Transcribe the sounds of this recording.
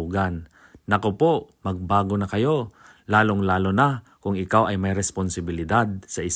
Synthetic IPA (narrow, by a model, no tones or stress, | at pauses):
ɡanː | ɐkopomɐɡ̚baːɡonɐkɐjo̞ | laːloŋlaːlona | kʊŋɪkawʔɐjmɐjɾɛsponsɪbɪlɪd̪ad̪̚sɐʔɪs